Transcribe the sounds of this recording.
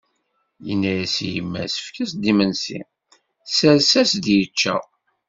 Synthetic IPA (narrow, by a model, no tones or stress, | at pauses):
jə̰nːæjæsijəmːæ̰sə̥fkæsd̪imənsḭ | səɾsæsd̪jət͡ʃːæ̰